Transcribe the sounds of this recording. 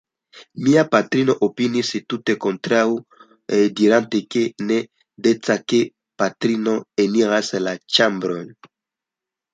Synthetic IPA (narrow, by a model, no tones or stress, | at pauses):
miapatɾinoʔopinisitutekɔ̃nt̪ɾau | ediɾãntekenɛ | det͡sake | patɾinoeniʁaselat͡ʃambɾɔn